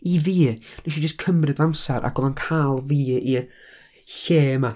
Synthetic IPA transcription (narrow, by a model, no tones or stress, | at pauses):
iviːnɛʃid͡ʒəskʰəmrɨdvamsaɾʔa̰ɡ̥ɔvˠankʰalˠviːi | ɬeːma